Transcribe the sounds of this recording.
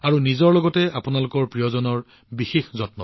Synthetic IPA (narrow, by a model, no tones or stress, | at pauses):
aɹunizɔɹlɔɡɔtɛapunalʊkɔɹpɹijɔzɔnɔɹ | bixexzɔtnɔ̰